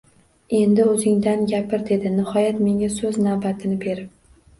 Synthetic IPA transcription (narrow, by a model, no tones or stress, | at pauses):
e̞nd̪ɪɵzɪŋd̪anɡʲapʰɪɾd̪e̞d̪ɪnɪhɒjat̪me̞ŋʲasɵznavbat̪ʰɪnɪbe̞ɾɪp̚